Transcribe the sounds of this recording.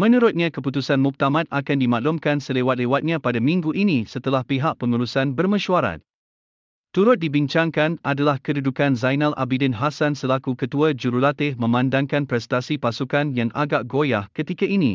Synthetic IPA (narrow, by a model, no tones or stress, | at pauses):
mə̃nuɾʊt̪̚ɲãkəput̪usanmup̚t̪amãt̪̚akandimãʔlʊmkansəlewat̪̚lewat̪̚ɲãpadamĩŋɡuʔinĩsət̪əlahpiɦaʔ̚pəŋulusanbərmə̃ʃuaɾa̰t̪̚ | t̪ːuɾʊt̪̚dibiɲt͡ʃaŋkanadalahkədudukanzajnalʔa̰bidənɦasansəlakukət̪uad͡ʒuɾulat̪ɪhmə̃mãndaŋkanpɾɛst̪asipasukanjaŋʔa̰ɡaʔɡojahkət̪ikaʔinḭ̃